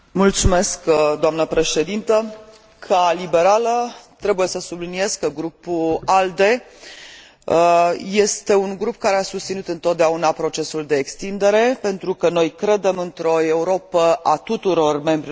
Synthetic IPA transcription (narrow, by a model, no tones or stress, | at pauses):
mult̪sume̞skd̪oamnəpɾe̞ʃe̞d̪int̪ə | kʰalibe̞ɾalət̪ɾe̞buje̞səsublinie̞zkəɡɾupuald̪e̞ | je̞st̪e̞unɡɾup̚kaɾe̞asust̪sinut̪ɨnt̪ot̪̚d̪eaunapɾo̞t͡ʃe̞suld̪e̞ːkst̪ind̪e̞ɾe̞pe̞nt̪ɾukəno̞jkɾe̞d̪e̞mɨnt̪ɾo̞e̞uɾo̞pəʔat̪ut̪uɾo̞rme̞mbɾi